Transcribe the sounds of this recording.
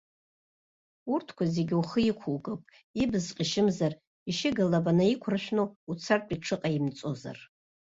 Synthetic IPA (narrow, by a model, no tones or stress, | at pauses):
urtʰkʷaze̞ɡʲuχəikʷʰulɡʼɨpʼ | ibɨzqʼiʃɪmzar | iʃɪɡalabanaikʷʰrħʷᶣnout͡sʰartʼiʈ͡ʂʰɨqʼaimt͡sʼo̞za̰r